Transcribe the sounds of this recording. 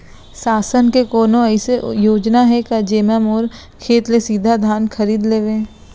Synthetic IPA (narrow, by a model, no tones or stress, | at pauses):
saːsənkekɔːnõɛɪsejoːd͡ʒnaɦɛkad͡ʒeːməmɔːɾ | kʰeːt̪lesiːd̪ʱad̪ʱaːnxʰɐɾiːd̪leːʋẽː